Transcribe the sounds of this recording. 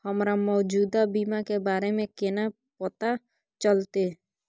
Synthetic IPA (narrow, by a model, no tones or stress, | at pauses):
həmɾamɔːd͡ʒuːd̪abiːmakebaːɾemẽkena | pət̪a | t͡ʃəlt̪e